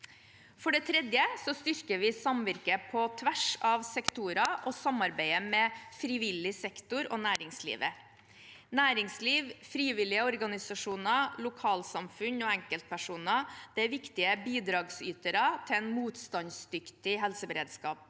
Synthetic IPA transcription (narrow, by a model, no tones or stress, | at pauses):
fɔɖɛt̪ʰɾɛd̪jəsɔst̪ʏɾkəʋɪsɑmʋæɾkəpʰɔt̪ʰʋæʂɑʋsɛkt̪uɾɑʔɔsɑmɑɾbæɪəmɛfɾɪːʋɪlːɪsɛkt̪ʊɾɔnæːɾɪŋslḭːʋə | næːɾɪŋsliːʋfɾiːʋɪlɪəɔɾɡɑnɪsɑʂuːnɑlʊkʰɑːlsɑmfʉnɔɛŋkəlt̪̚pʰæʂuːnɑd̪̥ɛʋɪkt̪ɪəbiːd̪ɾɑːɡsyːt̪əɾɑt̪ʰɪɛnmuːt̪st̪ɑnsd̪ʏkt̪ɪɦɛlsəbəɾḛːd̪skɑːp̚